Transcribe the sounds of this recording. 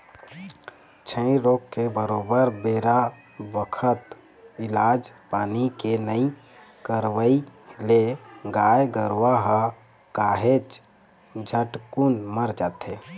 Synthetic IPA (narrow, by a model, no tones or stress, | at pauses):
t͡ʃʰə̃ĩɾoːkːebəɾoːbəɾbeːɾa | bəkʰət̪ | ɪlaːd͡ʒpaːnikenəĩ | kəɾʋəileɡaːjɡəɾaɦə | kaːɦet͡ʃ | d͡ʒʱəʈkunməɾd͡ʒaːt̪ɦe